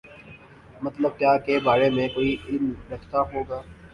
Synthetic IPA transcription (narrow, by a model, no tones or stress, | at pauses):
mɐt̪ləb̚kjaːkebaːɾemẽkoːiʔɪlmɾɐkʰt̪aɦoːɡaː